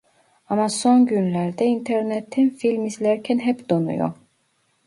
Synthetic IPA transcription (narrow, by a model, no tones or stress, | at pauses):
amasonɟynlʲæɾd̪ɛint̪ʰeɾnɛt̪ʰːinfilʲmizlʲæɾcʰɛnɦɛpd̪onṵjo̰